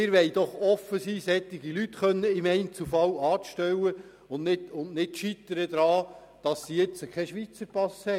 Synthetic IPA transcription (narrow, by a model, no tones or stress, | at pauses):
ɪɾʋɛɪd̥̪ɔχɔfəsiːshɛt̪ːɪɡilytχœnːəɪmɛɪnt͡sufɑwɑːtʃtɛwə | ʊnnɪtʊnnɪtʃit̪ːəɾəd̪ɾɑː | d̥ɑsːijɛt͡səkʰɛʃʋit͡səɾpɑshɛ